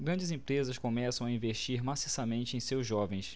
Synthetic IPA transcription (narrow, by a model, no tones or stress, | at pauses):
ɡɾɐ̃d͡ʒɪzẽpɾezɐskõmɛsɐ̃w̃aĩvest͡ʃiɾmasisɐmẽnt͡ʃɪẽj̃sewzʒɔvẽj̃s